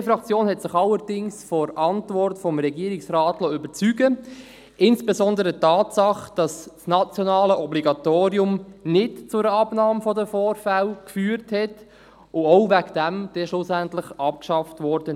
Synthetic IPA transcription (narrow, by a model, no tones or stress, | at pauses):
fɾɑkt͡sjoːnhɛtsɪχɑlːəɾdɪŋsfɔɾʔɑntvɔrtfɔmɾɛɡiːɾiksrɑːtlɔʏbəɾt͡syɡə | ɪnsb̥ezɔndəɾətːɑːtsɑχd̥ɑssnɑt͡sjɔnɑːləʔɔbliɡɑt̪oːɾiʊmnɪtt͡sʊɾəɑbnɑːmfɔdəfoːɾfælkfyːəɾthɛt | ʊoʊvæɡd̥æmd̥ɛʃlʊsæntlɪχɑp̚kʃɑftvɔɾd̥ən